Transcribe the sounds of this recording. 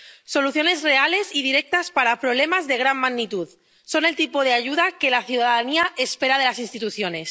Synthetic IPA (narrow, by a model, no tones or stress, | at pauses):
so̞luθjo̞ne̞zre̞ale̞siðiɾek̚t̪aspaɾapɾoβle̞mazðe̞ɣ̞ɾanmaɣnit̪uð | so̞ne̞lt̪ipoð̞eaʝuð̞akelaθjuðaðaðaniaʔespeɾaðe̞lasinst̪it̪uθjone̞s